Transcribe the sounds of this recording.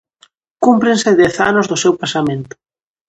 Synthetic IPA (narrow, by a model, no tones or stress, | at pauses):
kumpɾɪnsɪðɛθanʊzðʊsewpasamẽnt̪ʊ̥